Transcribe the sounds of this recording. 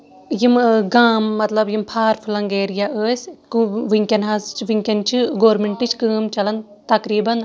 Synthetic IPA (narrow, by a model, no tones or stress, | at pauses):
jimɡaːmːɐt̪lɐbjimpʰaːɾfʰulɐŋɡeːɾjaʔəːsʲkuʋiŋkʲɐnɦaːzt͡ʃʰʋiŋkʲɐnt͡ʃʰiɡoːɾmeɳʈɨt͡ʃʰkɨːmt͡ʃɐlɐn | t̪ɐkɾiːbɐn